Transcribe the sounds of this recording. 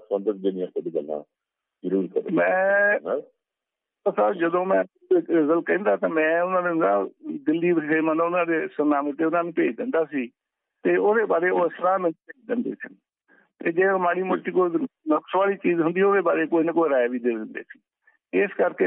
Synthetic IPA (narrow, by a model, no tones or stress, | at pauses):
sə̃nd̪ət̪̚d͡ʒɪnɪjãːsəɖiɡə̰lã̰ː | zəɾuːɾkə̰ɾmɛ̃ː | əsaːbd͡ʒəd̪õːmɛ̃ː | ɪzəlkɛ̃ːnd̪aːt̪ãːmɛ̃ːʊnãːnenaːd̪ɪlːiːseːmənõːʊnãːd̪eːsənaːmt̪eːʊnãːnũːpeːd͡ʒd̪ɪnd̪aːsiː | t̪eːoːd̪eːbaːɾeːoːɪsɾãːmɛːnupeːd͡ʒd̪ɪnd̪ḛːsən | t̪eːd͡ʒeːmaːɽiːmʊʈːiːkoːinəksʋaːliːt͡ʃiːzɦʊ̃nd̪iːoːd̪eːbaːɾeːkoːinəkoːiɾaːjaʋiːd̪eːd̪ɪnd̪ḛːsi̥ː | ɪskəɾkeː